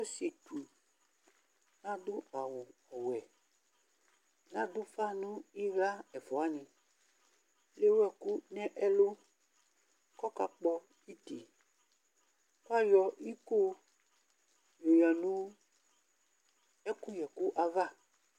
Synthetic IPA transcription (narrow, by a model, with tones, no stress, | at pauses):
o˦se˨tu˨ | nã˦d̪o˦a˨wu˨ɔ˨wɛ˨ | nã˦do˦fa˦nũ˦i˦vla˦ɛ˨fɔ˨a˦nĩ˨ | le˦wɛ˨ku˦nɛ̃˦ʔɛ˦lo˦ | kɔ˦ka˨k͡pɔ˦ | i˦tḭ˨ | kwa˦jɔ˨i˦ko˦ | jo˨ja˨nũ˦ | ɛ˦ku˦jɛ˨ku˦ʔa˨va˦˨